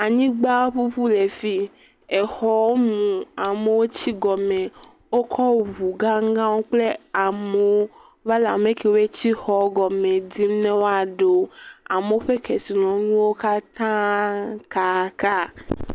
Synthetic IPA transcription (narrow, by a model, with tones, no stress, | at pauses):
a˨ɲĩ˦ɡ͡ba˦ɸu˦ɸu˦le˨fi˦ | e˨xɔ˨wo˦mũ˨a˨me˨wo˦t͡ɕi˦ɡɔ˨mẽ˨ | wo˦kʰɔ˦wβu˨ɡã˦ŋ˦ɡã˦wo˦k͡ple˦a˨me˨wo˦ | va˦la˨mẽ˦ke˨wo˦e˦t͡ɕi˦xɔ˨˦ɡɔ˨mẽ˨d̪i˦m˦nɛ̃˦wo˦a˨ɖe˨˦a˨me˨wo˦ɸe˦kɛ˨si˨nɔ̃˨˦nũ˦wo˦ka˦t̪ã˦ka˦ka˦